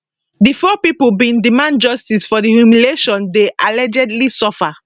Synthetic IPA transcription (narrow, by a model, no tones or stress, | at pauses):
difɔpipobĩndimãnd͡ʒɔstisfɔdihjumileʃɔ̃ndeʔalɛd͡ʒɛdlisɔfa